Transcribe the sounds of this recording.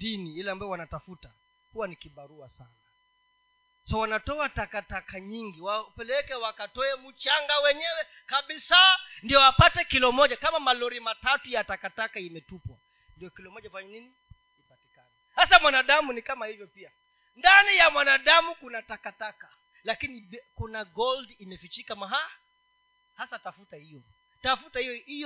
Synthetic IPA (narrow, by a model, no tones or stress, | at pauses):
diniilambaɔwanatafuta | kuwanikiɓaɾuasana | sawanatɔatakatakaɲiŋɡiwapɛlɛkɛwakatɔɛmut͡ʃaŋɡawɛɲɛwɛ | kaɓisandiɔwapatɛkilɔmɔʄakamamalɔɾimatatujatakatakaimɛtupwa̰ | ndijɔkilɔmɔʄapaɲɔnini | nipatikanihasamwanaɗamunikamahivjɔpia | ndanijamwanaɗamukunatakataka | lakinikunaɡɔldimɛfit͡ʃikamaɦa | hasatafutahijɔ | tafutahijɔhijɔ